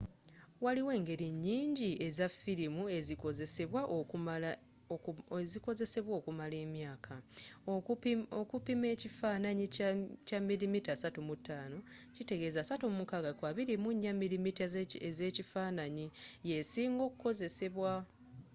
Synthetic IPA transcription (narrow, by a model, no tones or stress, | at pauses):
waliwe̞ːŋɡe̞ɾiɲːiːɲɟie̞zafiɾimue̞zikoze̞se̞βwaʔo | ziko̞ze̞se̞βwoːkumale̞ːmjaːkʰa | okupimecifaːnaɲicamːilimitasatumutːaːno̞cite̞ɡe̞ːzasatumumukaɡakwaβiɾimuɲːamːilimiteze̞cifaːnaɲije̞siːŋɡo̞ːkuko̞ze̞se̞βwa